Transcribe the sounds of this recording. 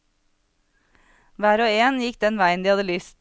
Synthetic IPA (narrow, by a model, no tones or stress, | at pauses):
ʋæːɾoːeːnjɪk̚d̪ɛnʋæɪənd̪iːhɑd̪əlʏst̪